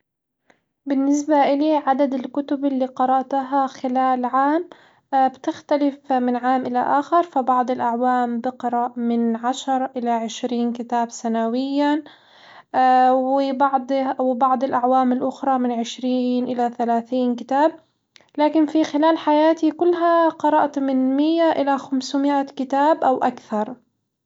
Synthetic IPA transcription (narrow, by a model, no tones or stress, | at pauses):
bɪnːɪs̬baʔɪliʕad̪ad̪ɪlkʊt̪ʊbɪlːiqɑɾˤɑʔt̪aɦaxɪlaːlʕaːm | bt̪ɪxt̪alɪfmɪnʕaːmʔɪlaʔaːxɪɾˤfabɑʕd̪ˤɪlʔaʕwaːmbɪqɾˤɑʔmɪnʕaʃɑɾˤʔɪlaʕɪʃɾiːnkɪt̪aːbsanawɪjːa | wɪbɑʕd̪ˤwɪbɑʕd̪ˤɪlʔaʕwaːmɪlʔʊxɾˤɑmɪnʕɪʃɾiːnʔɪlaθalaːθiːnkɪt̪aːb̚ | laːkɪnfixɪlaːlħajaːt̪ikʊlːɦaqɑɾˤɑʔt̪mɪnmɪjːaʔɪlaxamswmɪʔakɪt̪aːbʔawʔakθɑɾˤ